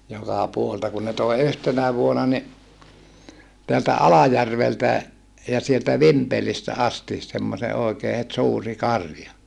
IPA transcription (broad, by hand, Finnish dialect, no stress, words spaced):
jokɑˑ puoleltɑ kun ne toˑi̯ yhtenæ ʋuonɑ ni teæltæ ɑlɑjærʋeltæ jɑ sieltæ ʋimpelistæ ɑsti semːose oˑikeː het suːri kɑrjɑ